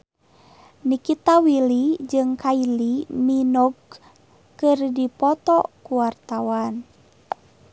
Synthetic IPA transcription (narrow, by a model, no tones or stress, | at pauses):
nikit̪awilid͡ʒɨŋkailininɔɡ | kɨrdipɔt̪ɔkuwart̪awan